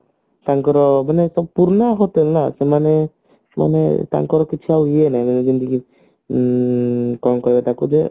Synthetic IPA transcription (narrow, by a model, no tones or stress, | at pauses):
t̪aŋkɔɾɔbɛnɛsɔb̚puɾnaɦɔt̪ɛlnasɛmanɛ | ma̰nḛt̪a̰ŋkɔɾɔkit͡ʃʰuaenajbɛnɛd͡ʒind̪iɡi | kɔŋkɔjbɛt̪akudɛ